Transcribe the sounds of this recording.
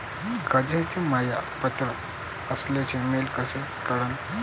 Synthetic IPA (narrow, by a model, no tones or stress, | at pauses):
kəd͡ʑet̪ʰimajapət̪ɾə | əslet͡semelkəse | kaɾən